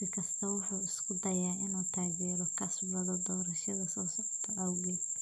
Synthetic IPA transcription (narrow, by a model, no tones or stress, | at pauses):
sɪkʰɐst̪ʰɐwʊħuːɪskʰʊd̪ɐjaːʔɪnuːt̪ʰaːɡɛːɾɔkʰɐsbɐðɔd̪ɔːɾɐʃɐðɐsɔːsɔʕt̪ʰɐʔɐwɣɛ